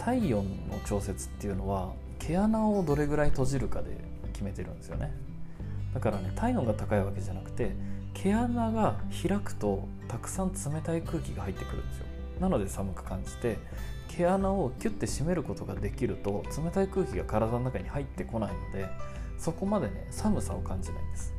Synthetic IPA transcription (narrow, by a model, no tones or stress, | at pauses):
t̪ʰaijõ̞nːo̞̰t͡ɕo̞ːse̞t͡sɨ̥t̪ːe̞jɯ̟no̞βa | kʰe̞anaod̪o̞ɾe̞ɡɯ̟ɾait̪o̞ʑiɾɯ̟kad̪e̞̰ | kʲime̞t̪e̞ɾɯ̟̃nd̪e̞sɨjo̞̰ne | d̪̥akaɾane̞t̪ʰainõ̞ŋɡat̪akaiβake̞ʑanakɯ̟̥t̪e̞kʰe̞anaɡaçiɾakɯ̥t̪o̞ | t̪akɯ̟̥sãnt͡sɨme̞t̪aikɯ̟ːkʲiɡahait̪ːe̞kɯɾɯ̟̃nd̪e̞sjo̰ | nano̞d̪e̞samɯ̟kɯ̟̥kãɲ̟d͡ʑi̥t̪e̞ | kʰe̞anao̞kʲɨ̟t̪ːe̞ɕime̞ɾɯ̟ko̞t̪o̞ɡad̪e̞kʲiɾɯ̟t̪o̞t͡sɨme̞t̪aikɯ̟ːkʲiɡakaɾad̪ano̞nakaɲ̟ihait̪ːe̞ko̞naino̞d̪e̞so̞ko̞mad̪e̞ne̞̰samɯ̟sao̞kãɲ̟d͡ʑina̰ĩnd̪esɨ̥